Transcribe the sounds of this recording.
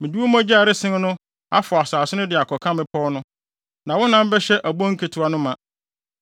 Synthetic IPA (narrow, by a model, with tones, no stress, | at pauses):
mɪ̃˨du˦o˦mã˦d͡ʑɛ˦a˨ɾɪ˦sɪ̃˦n˦nʊ̃˦ | a˦fʊ˨a˨saː˨sɪ˦nʊ̃˦dɪ˨a˨kʰɔ˨kʰã˦mɪ̃˦pʰɔ˦nʊ̃˦ | nã˨wʊ̃˦nã˦m̩˦bɛ˦ɕɛ˦ʔæ˨bɔ̃˦ŋ̩˦kʰe˨tʰʊ˨˦a˦nʊ̃˦mã˨